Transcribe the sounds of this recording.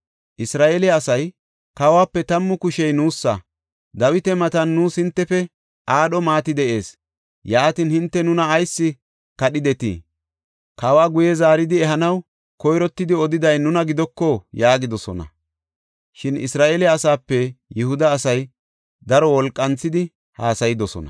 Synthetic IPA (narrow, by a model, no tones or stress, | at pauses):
ʔɪsɾaːʔelɪɐsɐj | kawaːpːɛt̪ɐmːʊkʊʃɛjnuːsːɐ̰ | d̪ɐwɪt̪ɛmɐt̪ɐnːuːshɪnt̪ːɛfɛ | ʔaːɗɔmaːt̪ɪd̪ɛʔe̞ːs | jaːt̪inhɪnt̪ːɛnʊnɐːjsːɪ | kɐɗɪd̪ɛt̪ḭː | kawaːɡʊjɛzaːɾɪd̪ɪɛɦɐnɐw | kɔjɾɔt̪ːɪd̪ɪɔd̪ɪd̪ɐjnʊnɐɡɪd̪ɔkːɔjaːɡɪd̪ɔsɔ̰nɐ̰ | ʃɪnɪ̰sɾaːʔeːlɛɐsaːpːɛjɪhʊd̪ɐːsɐj | d̪ɐɾɔwɔlkʼːɐnt͡sːɪd̪ɪ | haːsɐjɪd̪ɔsɔ̰nɐ̰